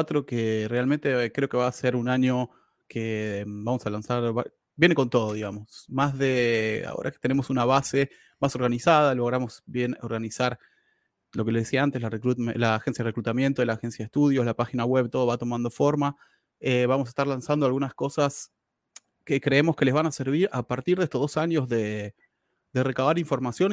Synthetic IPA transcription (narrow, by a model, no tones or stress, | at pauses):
t̪ɾokere̞alment̪e̞kɾeo̞ke̞βaːse̞ɾunaɲo̞ | kʰebamo̞salansaɾβa̰ | bjene̞ko̞nt̪o̞ð̞o̞ðiɣamo̞smazðea̰o̰ɾʔa̰ket̪ene̞mo̞sunaβ̞ase | maso̞ɾɣanisað̞alo̞ɣɾamo̞sbjenoɾɣanisaɾ | lo̞keleðesiaant̪elarekɾlaːxensjaðerekɾut̪amje̞nt̪oelaːxe̞nsjaðeht̪uð̞jo̞zlapaxinaɣwe̞βt̪o̞ðo̞βat̪o̞mand̪o̞fo̞ɾma | eβamos̬ae̥st̪aɾlansand̪oalɣunasko̞sas | kekɾeemo̞ske̞le̞zβanase̞ɾβ̞iɾapaɾt̪iɾðest̪ozðosaɲo̞zðe | ðe̞re̞kaβaɾiɱfo̞ɾmasjo̞n